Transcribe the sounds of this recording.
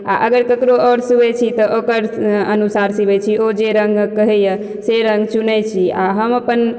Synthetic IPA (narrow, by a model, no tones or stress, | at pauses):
a̰ʔəɡəɾkəkɾoɔɾsibɛt͡ʃʰit̪ɔʔokəɾənusaɾsibɛt͡ʃʰiod͡ʒeɾəŋɡkəɦɛjə | seɾəŋɡt͡ʃunɛt͡ʃʰiaɦəməpən